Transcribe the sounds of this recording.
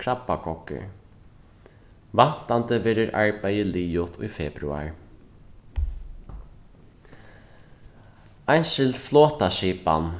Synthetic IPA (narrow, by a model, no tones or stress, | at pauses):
kʰɹapːakʰɔkːɪ̰ɹ | van̥t̪ant̪əvɛːɾɪɹʔaɹpajɪliːʊt̪ʰʊjfɛːpɾʉa̰ɹ | ajnʃɪld̪flɔːt̪aʃiːpa̰n